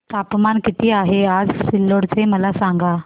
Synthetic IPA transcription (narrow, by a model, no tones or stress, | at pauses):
t̪apmankit̪ʰiːaɦead͡zsilːoɽt͡seməlasaŋɡa